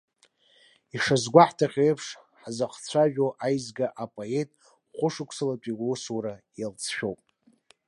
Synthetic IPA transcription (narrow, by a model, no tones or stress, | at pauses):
iʂazɡʷaħtʰaχʲejpʰʂ | ħazaχt͡sʷʰaʒᶣoʔajzɡaʔapʼoetʼ | χʷʊʂɨkʷʰsalapʷʼiɡʷosuɾa | jalt͡sʰʃᶣowpʼ